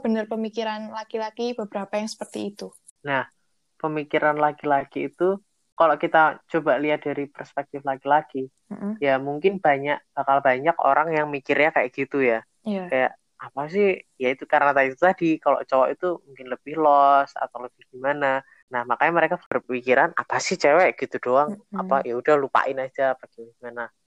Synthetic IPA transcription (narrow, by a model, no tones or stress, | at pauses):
b̥ənərpəmikiɾanlaɡilaɡ̥ibəbəɾapajaŋsə̥pərt̪iːt̪u | nah | pəmikiɾanlaɡilaɡ̥iːt̪u | kalokit̪at͡ʃobaliat̪̚d̥aɾipərspɛk̚t̪ɪflaɡilaɡ̥i | jamuŋkɪnb̥aɲaʔ̚b̥akalbaɲako̰ɾaŋjaŋmikɪrɲakajaʔɡ̥it̪uja | kaja̰ʔ | apas̬ɪhjait̪ukaɾənat̪adit̪ut̪adikalo̰ʔt͡ʃowaʔit̪umuŋkɪnləb̥ɪhlɔsa̰t̪awləb̥ɪhɡ̥imana | nahmakaɲaməɾekabəɾpəmikiɾana̰pasɪht͡ʃɛwɛʔɡ̥it̪udoaŋapajaud̥ahlupa̰ʔɪnad͡ʒaːpaɡ̥iɡimana